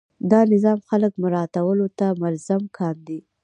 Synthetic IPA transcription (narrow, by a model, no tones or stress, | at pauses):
d̪ɑnɪzɑmxaləkmʊɾɑt̪awəlot̪amalzamkʰɑnd̪i